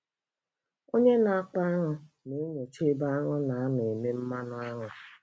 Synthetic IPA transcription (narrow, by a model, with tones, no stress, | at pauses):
o˦ɲe˦na˨a˦k͡pa˦a˦ŋʊ˦ | ne˨˦ɲo˨t͡ʃe˦ba˦a˦ŋʊ˦na˨a˦nʊ˨e˨me˦m̩˦ma˦nʊ˦a˦ŋʊ˨